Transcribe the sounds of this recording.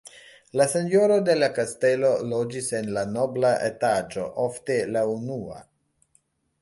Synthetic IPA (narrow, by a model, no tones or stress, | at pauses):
lase̞njo̞ɾo̞de̞lakaste̞lo̞lod͡ʒise̞nlano̞blaʔḛtad͡ʒo̞ʔofte̞launua̰